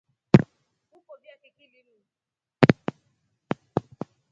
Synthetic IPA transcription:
ukobiakɛkiliɾu

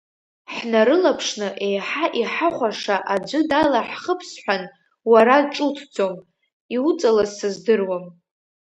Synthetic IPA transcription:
ħnaɾɨlapʰʂnɨʔe̞jħaʔiħaχʷaʂaʔad͡ʒʷɨdalaħχəpʰsħʷᶣan | waɾaʈ͡ʂʼʊtʰd͡zo̞m | iut͡sʼalazsɨzdɨrwam

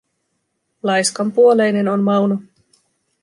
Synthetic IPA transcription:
lɑjskɑmpuole̞jne̞nonmɑwno

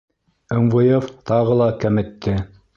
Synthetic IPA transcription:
ɘ̆mvojeft̪ɑʁɤlˠɑkæmɘ̆t̪ːɘ

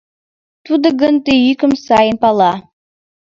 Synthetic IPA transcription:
t̪ud̪ə̆ɡənt̪eykə̆msɑjənpɑlˠɑ

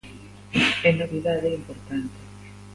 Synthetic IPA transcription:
ɛnoβiðaðeimpoɾt̪ant̪e

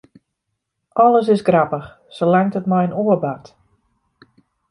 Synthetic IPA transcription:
ʔɔləs̬ɪsɡrapəx | səlɛŋtətmajənoəbat

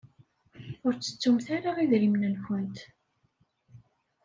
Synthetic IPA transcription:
ʊɾt͡sːə̥t͡sːumθaɾaʁiðɾimnənçənt̪

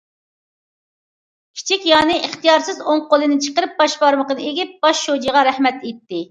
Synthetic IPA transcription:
kʲʰi̥t͡ʃʰikʲjɑːnɨʔəχt̪ijɑɾsɪzoŋqolˠɨnɪt͡ʃʰə̥qəɾɨp̚bɑʃbɑɾməqənɨeɡʲɪp̚b̥ɑʃːod͡ʒiʁɑɾɛhmɛt̪et̪ːɪ

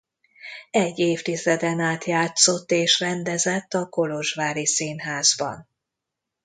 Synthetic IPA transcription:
ɛɟːeːft̪izɛd̪ɛnaːt̪jaːt̪so̞t̪ːeːʃrɛnd̪ɛzɛt̪ːɒko̞lo̞ʒvaːɾisiːnɦaːzbɒ̰n

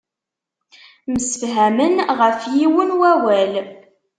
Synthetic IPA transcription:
məsəfɦæmənʁəfjiwənwæwæl

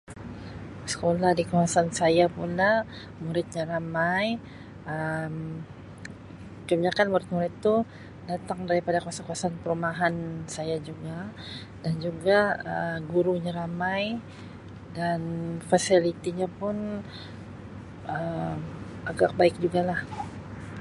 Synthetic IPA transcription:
sə̥kolahdikawasansajapulah | muɾɪt̪̚ɲaɾamaj | əm | kəbiɲakanmuɾɪt̪̚muɾɪt̪ːu | dat̪aŋdaɾipadakuasakuasanpəɾumaɦansajad͡ʒuɡadand͡ʒuɡaə̰ɡuɾuɲaɾamaj | danfasilit̪iɲapʊn | əm | aɡak̚baɪk̚d͡ʒuɡalah

